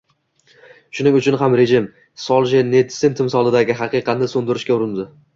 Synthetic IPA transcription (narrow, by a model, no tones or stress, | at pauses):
ʃʊnɪŋʊt͡ʃʰʊnɦamɾe̞ʒɪm | sɒlˠʒened̪sɪnt̪ʰɪmsɒlˠɪd̪aɡʲɪɦɑqʰɨqʰɑt̪nɪsond̪ɪɾɪʃkʲaʊɾɪnd̪ɪ